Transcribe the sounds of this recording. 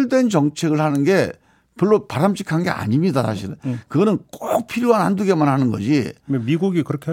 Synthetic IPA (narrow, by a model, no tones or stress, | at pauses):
ɭdwe̞nt͡ɕʌŋt͡ɕʰe̞ɡɯɭhanɯnɡe̞ | pʌɭːopaɾamɕʰi̥kʰanŋɡe̞̰a̰ɲimɲidasʰaɕʰiɾɯnkɯɡʌnɯnk͈ok̚pʰiɾjoananduɡe̞manɦanɯnɡʌd͡ʑiemiɡuɡikɯɾʌkʰe